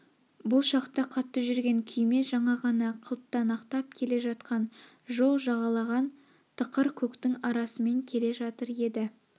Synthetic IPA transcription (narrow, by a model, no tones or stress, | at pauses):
bʊlˠʃɑqt̪ɑqʰɑt̪ːəʒʏɾɡʲe̞ŋkʲʰʏjme̞ʒɑɴɑʁɑnɑqʰəlˠt̪ːɑnɑqt̪ɑp̚kʲʰe̞le̞ʒɑt̪qɑn | ʒo̞lˠʒɑʁɑlˠɑʁɑn | t̪ʰəqəɾkʲʰɵkt̪ɪŋɑɾɑsəme̞ŋkʲʰe̞le̞ʒɑt̪əɾe̞d̪ɪ